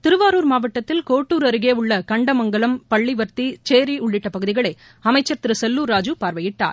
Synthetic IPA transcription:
t̪ɪɾɯʋaːɾuːɾmaːʋɐʈːɐt̪ːɪlkoːʈːuːɾɐɾɯɣeːʊɭːɐkɐɳɖɐmɐŋɡɐɭɐmpɐɭːiʋɐɾt̪it͡ʃeːɾiʊɭːɪʈːɐpɐɣɯðɪɣɐɭɐɪ | ɐmɐɪt͡ʃːɐɾt̪ɪɾɯsɛlːuːɾaːd͡ʒɯpaːɾʋɐjɪʈːa̰ːɾ

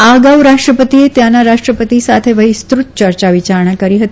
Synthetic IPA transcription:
aɡaʋɾaʂʈɾəpət̪iet̪janːaɾaʂʈɾəpət̪isat̪ʰeʋəɦist̪ɾut̪̚t͡ɕəɾt͡ɕaʋit͡ɕaɾɳakəɾiɦət̪i

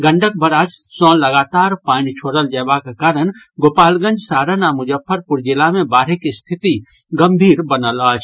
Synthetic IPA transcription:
ɡə̃ɳɖʱək̚bʱəɾad͡ʒsɔ̃ləɡat̪aɾpaːnit͡ʃʰoːɽəld͡ʒəbakekaːɾənɡoːpaːlɡə̃nd͡ʒsaɾənamʊd͡ʒəpʰːəɾpuɾd͡ʒilamebaːɾikist̪ʰit̪i | ɡəmbʱiːɾbənəlat͡ʃʰ

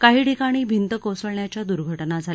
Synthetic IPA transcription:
kaɦiːʈikaɽ̃iːbʱint̪əkosəɭɳjat͡ɕjad̪uɾɡʱəʈnad͡zʱal

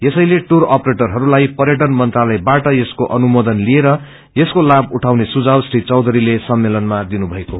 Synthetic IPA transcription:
jesʌjleʈurʌpɾeʈʌrɦʌɾulajpʌrjʌʈʌnmʌnt̪ralʌjbaʈʌjeskoʔʌnumod̪ʌnlieɾʌ | jeskolabuʈʰawnesud͡zawsɾit͡sʌwd̪ʱʌɾilesʌmːelʌnmad̪inubʱʌeko

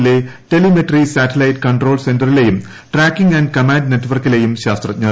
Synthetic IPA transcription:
le̞ʈe̞limeʈɐrisaːtɐlɐjʈkɐɳʈro̞ːlse̞nɖɐrilejum | ʈraːkːiŋɡɐnɖkɐmaːnɖne̞ʈːʋɐrkːile̞jumɕaːst̪rɐt͡ɕɲɐ

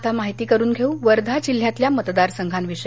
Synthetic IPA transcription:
t̪ʰamaɦit̪iːkəɾuːnɡʱeũʋəɾd̪ʱat͡ɕil̤ːjat̪ljamət̪d̪aɾsəŋɡʱanʋiʂə

